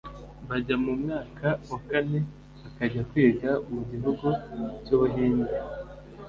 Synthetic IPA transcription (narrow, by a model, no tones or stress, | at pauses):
βaɟamumŋaːkʰawakane̞ | akaɟakwiːɡaumuɟiɦuɡucoβɦiːnde